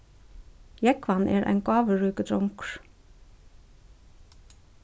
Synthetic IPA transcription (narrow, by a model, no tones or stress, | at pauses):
jɛkʋɑnʔḛːɾʔæ̰ːŋkɑːʋəɹʉːkəd̪ɾɔŋkɹ̥